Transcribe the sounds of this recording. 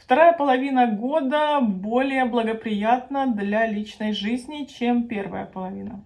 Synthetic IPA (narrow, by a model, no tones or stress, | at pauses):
ft̪ɐɾajəpəlˠɐvʲinəɡo̞d̪əbo̞lʲɪjəblˠəɡəpɾʲɪjat̪̚nəd̪lʲalʲit͡ɕnəjʐɨzʲnʲɪt͡ɕempʲe̞rvə̰jə̰pəlˠɐvʲinə